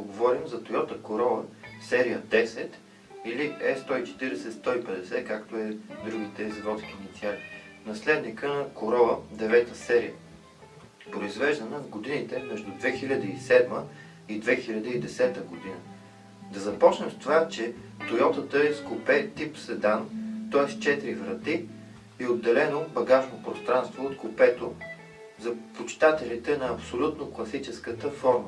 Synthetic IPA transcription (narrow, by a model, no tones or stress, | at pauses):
oɡovɔɾimzɐt̪ojɔt̪əkoɾɔvə̰sɛɾiəd̪ɛsɛt̪ | iliʔɛst̪ɔit͡ʃɛ̥t̪iɾɛsɛt̪st̪ɔipɛd̪ɛsɛkakt̪oɛd̪ɾuɡ̟it̪ɛzivɔt̪skiːnit̪sʲialinɐslɛd̪nikənɐkoɾɔvəd̪ɛvɛt̪əsɛɾḭjə | pɾoizvɛʒd̪ɐnəvɡod̪init̪ɛmɛʒd̪ʊd̪vɛxilʲəd̪əisɛd̪mə | id̪vɛxilʲɐd̪əid̪ɛsɛt̪əɡod̪inə | d̪ɐzɐpɔt͡ʃnət̪t̪ovat͡ʃɛt̪oɾjɔt̪ət̪əɛskopɛt̪ipsɛd̪ant̪ɔɛst͡ʃɛt̪ɾivɾɐt̪i | iod̪ːɛlɛnobɐɡaʒnopɾost̪ɾanst̪voːt̪kʊpɛt̪o | zɐpot͡ʃt̪at̪ɛlit̪ɛnɐːpsolʲut̪noklˠɐsit͡ʃɛskət̪əfɔɾmə